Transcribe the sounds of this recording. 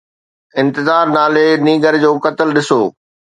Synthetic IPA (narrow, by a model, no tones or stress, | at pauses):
ɪ̃nt̪ɪzaːɾnaːlenĩːɡəɾd͡ʑoːkɐt̪ɪlɗɪsoː